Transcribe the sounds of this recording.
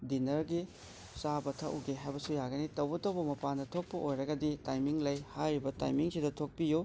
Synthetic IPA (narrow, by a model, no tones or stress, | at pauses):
dinɐɾɡi | sabɐtʰɐʔṵɡeɦajbɐsujaɡɐnitɐwbɐtɐwbɐmɐpandɐtʰok̚pɐʔojɾɐɡɐditajmiŋlɐjhajɾibɐta̰jmiŋsidɐtʰok̚pijo